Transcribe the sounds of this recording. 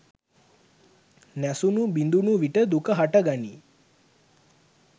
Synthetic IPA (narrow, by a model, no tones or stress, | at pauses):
næsunubind̪unuʋiʈəd̪ukəɦaʈəɡani